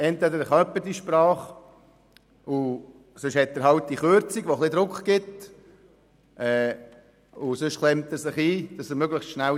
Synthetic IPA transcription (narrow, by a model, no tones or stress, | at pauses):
ɛntʋɛd̪əɾəχœpːətiʃpɾɑːχ | ʊ | søʃhɛt̪̚dəɾɦɑltdiχøɾt͡siɡʋoχlɪd̪ɾʊkχɡ̥ɪt̪ | ʔɛː | ʊsøʃχlɛmtəsɪχiːd̥ɑsəɾmøɡləχstʃnæ